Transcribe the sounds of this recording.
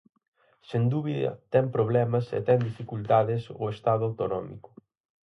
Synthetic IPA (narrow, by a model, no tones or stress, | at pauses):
send̪uβiðɐ̰t̪ɛmpɾoβ̞lɛmɐsḛt̪ɛŋd̪ifikult̪aðɪsʊ̰est̪aðʊawt̪onɔmḭkʊ̥